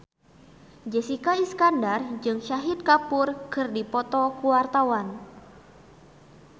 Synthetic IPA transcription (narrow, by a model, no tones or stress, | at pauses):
d͡ʒɛsikaiskandard͡ʒɨŋʃaɦit̪̚kapʊrkɨrdipɔt̪ɔkuwart̪awan